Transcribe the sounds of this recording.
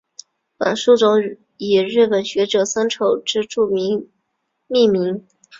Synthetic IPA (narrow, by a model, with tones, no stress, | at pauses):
fa̰˨˩nʂu˥˩ʈ͡ʂʊ˥ŋ | i˨˩ɻɻ̩˥˩pə˨˩nɕɥɛ˧˥ʈ͡ʂɤ˨˩sa˥nʈ͡ʂʰo˨˩ʊʈ͡ʂɻ̩˥ʈ͡ʂu˥˩mi˧˥ | mi˥˩mi˧˥ŋ